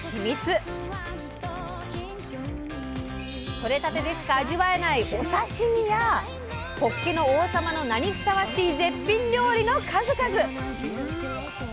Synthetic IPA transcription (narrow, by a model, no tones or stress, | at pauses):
çʲimʲit͡sɨ | ko̞ɾe̞t̪at̪e̞d̪e̞ɕi̥kaːʑiβae̞naiʔo̞saɕimʲija | ko̞kːeno̞oːsamano̞naɲ̟isɨ̥saβaɕiːze̞pʲːĩɲɾʲjo̞ːɾʲino̞kʰazɨkazɨ